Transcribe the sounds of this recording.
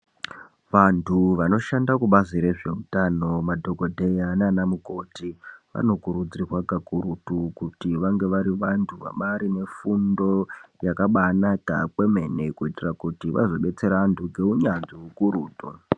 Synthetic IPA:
ʋantʰuʋano̞ʃandakuɓaziɾe̞ʐe̞utano̞madʱo̞ɡo̞dʱe̞jananamuko̞tiʋa̰no̞kuɾud͡zirwakakuɾutukutiʋaŋɡe̞ʋaɾiʋantʰuʋa̰ɓaɾine̞fundo̞jakaɓanaka̰kwe̞me̞ne̞kuitirakutiʋʔa̰zo̞ɓe̞t͡se̞ɾantʰuɡʱe̞uɲand͡ziukuɾuːtu

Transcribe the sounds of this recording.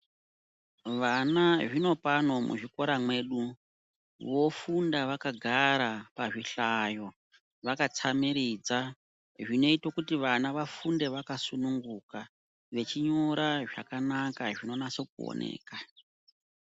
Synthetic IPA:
ʋanaʐino̞pano̞mṵʐiko̞ɾamwe̞ɗu | ʋo̞fundaʋakaɡʱaɾapaʐiɬaːjo̞ | ʋakat͡samiɾid͡za | ʐino̞itokutiʋanaʋafunde̞ʋakasunuŋɡuka | ʋe̞t͡ʃiɲo̞ɾaʐa̰kanakaʐino̞nasek̚uo̰nḛːka

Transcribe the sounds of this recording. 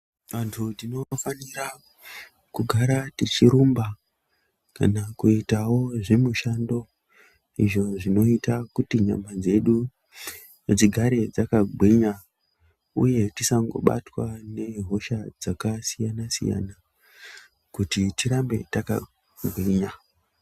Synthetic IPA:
ʋantʰutino̞faniɾa | kuɡʱaɾatit͡ʃiɾumba | ka̰nakuitawo̞ʐemuʃando̞ | ḭʐo̞ʐino̞itakutiɲa̰mband͡ze̞ɗu | ned͡ziɡʱaɾe̞d͡zakaɡʱwiɲa | uje̞tisaŋɡo̞̰ɓa̰twane̞ɦo̞ʃad͡zakasijanasḭja̰na | kutitiɾambe̞̰taka̰ | ɡʱwiɲa

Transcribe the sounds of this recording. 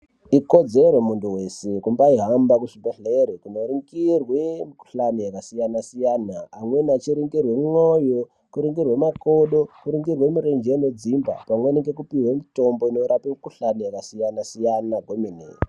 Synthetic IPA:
iko̞d͡zeɾemuntuwe̞sekumbaiɦambakuʂipaɬeɾikunoriŋɡirwemuku̥ɬanejakasijanasijanaːmwe̞nat͡ʃiɾiŋɡirwe̞mŋojo | kuɾiŋɡirwemakoɗokuɾiŋɡirwe̞miɾend͡ʒened͡zimba̰pamweneŋɡekupiwemito̞mboinoɾapekuɬanejakasijanasijanaɡʱwominḛ

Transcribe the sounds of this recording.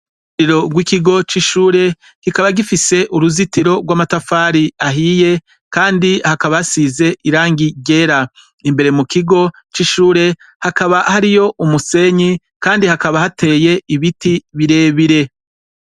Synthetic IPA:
iɾo̞ɡwikiɡo̞t͡ʃiʃuːɾe̞ | kikaβaɡifise̞ʔuɾuzitiɾo̞ɡwaːmatafaːɾiaɦiːje̞ | kaːndihakaβahasize̞iɾaːŋɡiɟe̞ːɾa | imbe̞ɾe̞mukiɡo̞ | t͡ʃiʃuːɾe̞ | hakaβahaɾijo̞ʔumuse̞ɲi | kaːndihakaβahatʰe̞ːje̞ʔiβitiβiɾe̞ːβiɾe̞

